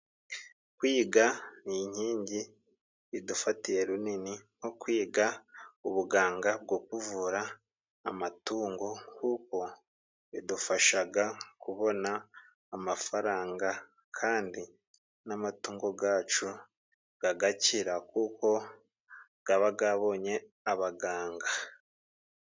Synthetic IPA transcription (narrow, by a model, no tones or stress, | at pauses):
kwiːɡaniɲ̥iːɲɟi | idufatiɾe̞ɾuniniŋ̥okwiːɡauβuɡaːŋɡab̚ɡokuvuɾaː | matuːŋɡo̞kuːko̞ | idufaʃaɡakuβo̞naː | mafaɾaːŋɡa | kʰaːndi | namatuːŋɡo̞ɡaːt͡ʃu | ɡ̥aɡaciɾakuːko̞ | ɡ̥aβaɡaβo̞ːɲe̞ | aβaɡaːŋɡa